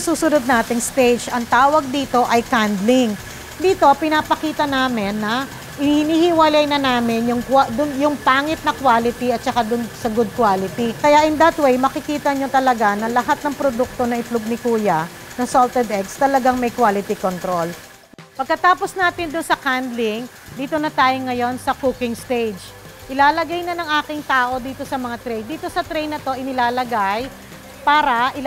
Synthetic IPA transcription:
suːsʊnod̪̚naːt̪ɪŋst̪ejd͡ʒɐŋt̪aːwɐɡ̚d̪iːt̪o̞ʔɐjkand̪lɪŋ | d̪iːt̪o̞pɪnapɐkiːt̪ɐnaːmɪnːɐ | hɪhɪniːhɪwɐlɐjnɐnaːmɪnjʊŋkad̪ʊnjʊŋpaːŋɪt̪̚nɐkwaːlɪt̪iɐt̪̚t͡ʃɐkad̪ʊnsɐɡʊd̪̚kwaːlɪt̪ikɐjaʔɪnd̪ɐt̪wejmɐkɪkiːt̪ɐɲo̞t̪ɐlɐɡanɐlɐɦat̪̚nɐŋpɾod̪uk̚t̪o̞nɐɪplʊɡ̚nɪkuːjɐ | nɐŋsolt̪ɛd̪ʔɛkst̪ɐlɐɡaŋmɐjkwaːlɪt̪ikont̪ɾol | pɐɡ̚kːɐt̪aːposnaːt̪ɪnd̪ʊnsɐkand̪lɪŋ | d̪iːt̪o̞nɐt̪aːjoŋɐjo̞nsɐkukɪŋst̪ejd͡ʒ | ʔɪlaːlɐɡajnɐnɐŋʔaːkɪŋt̪aːʔo̞d̪iːt̪o̞sɐmɐŋat̪ɾɛjnd̪iːt̪o̞sɐt̪ɾɛjnːɐt̪o̞ʔɪnɪlaːlɐɡaj | paːɾɐʔɪ

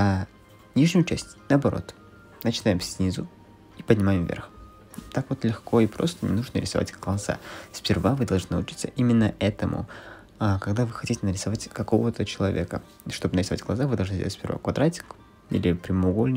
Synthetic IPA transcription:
nʲiʐnʲʊjʊt͡ɕæsʲtʲnəɐbɐɾo̞̰t̪ | nət͡ɕɪnajɪmsʲnʲizʊ | ipədʲnʲɪmajɪmvʲḛrx | t̪akvo̞t̪lʲɪxkʰo̞ipɾo̞̰st̪ənʲɪ̰nuʐnəɾʲɪsɐva̰tʲɡ̥lˠɐza̰sʲpʲɪrvavɨd̪ɐlˠʐnɨlʊt͡ɕi̥t̪səʔimʲɪnːəʔɛt̪əmʔʊ̰ | akɐɡd̪avɨxɐtʲitʲɪnəɾʲɪsɐvatʲkɐko̞vət̪ət͡ɕɪlˠɐvʲe̞̰kə | ʂt̪o̞bɨnəɾɪsɐva̰tʲɡlˠɐzavɨd̪ɐlˠʐnɨdʲelˠtʲsʲpʲɪ̰ɾva̰kvɐd̪ɾatʲɪ̥k | ḭlʲɪpɾʲɪmʊɡo̞lʲnʲɪ

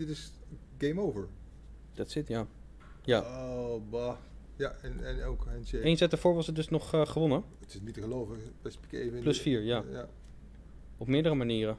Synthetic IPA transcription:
dɪtɪsɡejmowvəɹ | d̥ɑtsɪtjaː | jaːobɔ | jaɛnɛnoʊkɛnseejnsɛtəfʊːɹʋɑsətdɵsnɔχχəʋɔnə | ətɪsnitəχəlowvəpɛspi̥kejvəplɵsfiːɹjaːa | ɔpmɪːɹdərəmaniːrə

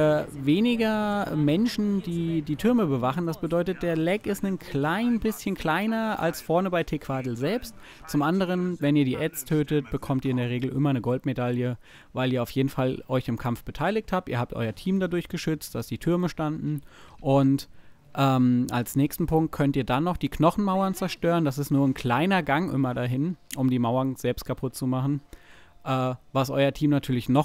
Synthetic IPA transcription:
ɐveːnɪɡɐmɛnʃn̩diːdiːtʰʏɐməbəvaχn̩d̥asb̥ədɔʏtət̚d̥eːɐlɛkɪstnənkʰlaɪnbɪsçənkʰl̥aɪnɐa̰lsfɔɐnəbaɪtʰeːkʰv̥adl̩zɛlpst | t͡sʊmʔandəʁ̞ənvɛniːɐdiːʔɛt͡stʰøːtət̚b̥əkʰɔmtiːɐɪndeːɐʁ̞eːɡl̩ʔɪmɐnəɡɔltmedaljə | vaɪliːɐaʊfjeːdn̩falʔɔʏçɪmkʰamfb̥ətʰaɪlɪk̚tʰhaːp̚tiːɐhaːp̚tʔɔ̰ʏɐtʰiːmdadʊɐçɡ̥əʃʏt͡std̥asd̥iːtʰʏɐməʃtandn̩ʔʊnt | ʔɛːmʔalsnɛːçstn̩pʰʊŋkt̚kʰœntiːɐdanːɔχd̥iːknɔχn̩maʊɐnt͡sɛɐʃtøːʁənd̥as̬ɪstnuːɐnkʰl̥aɪnɐɡaŋʔɪ̰mɐdaɦɪnʔʊmdiːmaʊɐnz̥ɛlpst̚kʰapʰʊt̚t͡sumaχn̩ | ʔɛːvasʔɔ̰ʏɐtʰiːmnatʰyːɐlɪçnɔ

